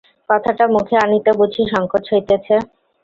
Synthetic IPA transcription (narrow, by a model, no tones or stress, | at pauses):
kɔt̪ʰaʈamukʰeanit̪ebud͡ʑʰiʃɔŋkotɦojt̪et͡ɕʰe